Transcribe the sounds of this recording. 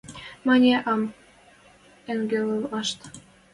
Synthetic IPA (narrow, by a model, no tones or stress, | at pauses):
mɑnʲeʔɑm | eŋɡelɤlɑʃt̪